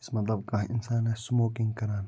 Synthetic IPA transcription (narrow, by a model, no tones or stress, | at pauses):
ɪsmɐt̪lɐbkaɪ̰nsaːnɛsmoːkɪ̃ŋɡkɐɾaːn